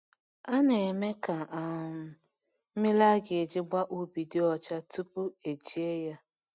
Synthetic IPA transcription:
a˦ne˨me˦ka˨a˨mʊ˨ | m̩˦mɪ˦la˦ɡe˨d͡ʒɪ˦ɡ͡ba˦ʔu˨bi˨dɪ˦ɔ˨t͡ʃa˦tu˦pʊ˦e˨d͡ʒi˦e˦ja˦

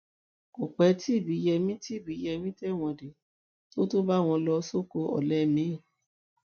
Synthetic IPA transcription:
o˨k͡pɛ˨˦ti˦˨bi˨˦jɛ˧mĩ˦ti˦˨bi˨˦jɛ˧mĩ˦tɛ˦˨w̃ɔ̃˧˨de˨ | to˦to˦ba˦w̃ɔ̃˧lɔ˧so˦ko˧ɔ̰˨lɛ˦mĩ˨˦˨

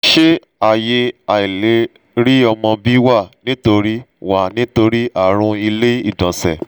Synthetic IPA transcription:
ʃe˦ | a˦˨je˧a˨i˨le˨˦ | ɾi˦ɔ˧mɔ̃˧bi˦wa˦˨nĩ˦to˧ɾi˦wa˦˨nĩ˦to˧ɾi˦ʔa˦˨ɾ̃ũ˧i˧le˦ḭ˦˨dɔ̃˨sɛ̰˨

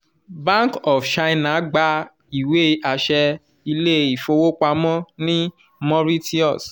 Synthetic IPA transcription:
bã˦ŋkɔ˨fʃã˧nã˨˦ɡ͡ba˧˦ | i˨we˦a˨ʃɛ˧ | i˧le˦˨i˨fo˧wo˦k͡pa˧mɔ̃˦nĩ˦ | mɔ̃˦ɾi˦ti˦ɔ̰˦˨s

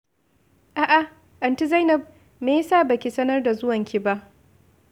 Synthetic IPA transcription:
ʔa˨ʔa˨ | ʔɐ˨nti˦za˦jnɐ˨b̚ | meː˨jsaː˦˨bɐ˨kʲi˨sɐ˦nɐ˦rda˨zʊ˦wɐ˨ŋkʲi˦ba˦ʔ

